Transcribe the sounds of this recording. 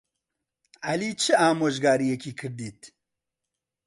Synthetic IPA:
ɐliːt͡ʃʰɨaːmoːʒɡaːɾijekiːkʰɨɾd̪iːt̪

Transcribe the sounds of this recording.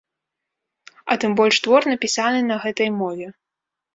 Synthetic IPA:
ɐt̪ɨmbɔlʲʂt̪vɔrnɐpʲisanɨnɐɣɛt̪ɐjmɔvʲɛ

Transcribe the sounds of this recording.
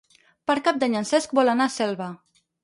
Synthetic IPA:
pəɾkap̚d̪aɲansɛsk̚bɔlanasɛlβa

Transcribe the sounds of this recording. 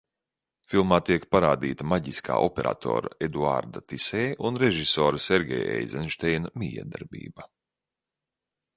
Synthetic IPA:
filˠmaːt̪iɛkpaɾaːd̪iːt̪amaɟiskʰa̰ːʔɔpeɾʔa̰ːt̪ʰo̰ːɾaed̪ua̰ɾd̪at̪isɛːunɾeʒisɔːɾseɾɡʲɛ̰jḛjzɛnʃt̪ɛjnmʲijɛ̰d̪aɾbḭːba

